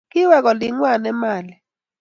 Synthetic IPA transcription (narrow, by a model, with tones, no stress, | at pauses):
kɪ˦wɛ˦kɔ˨lɪ˨ŋwa˦˨nɛ˦ma˨lɛ˨